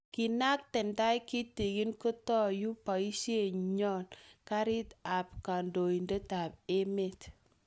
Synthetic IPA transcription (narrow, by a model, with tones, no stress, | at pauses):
ki˨na˦k̚tɛ˨nda˦jki˦ti˨ɡi˦nko˦tɔ˦ju˦pa˨i˦ʃe˦˨ɲɔ˦˨nka˦ɾi˦ta˨p̚ka˨ndo˨i˨nde˦ta˨p̚e˦me˨t